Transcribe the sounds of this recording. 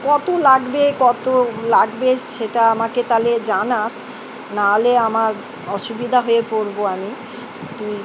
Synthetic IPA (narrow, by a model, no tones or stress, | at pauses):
kɔt̪olaɡbekɔt̪olaɡbeʃeʈaamaket̪aled͡ʑanaʃ | naleamaɾ | ɔʃubid̪ʱaɦoepoɾboami | t̪ui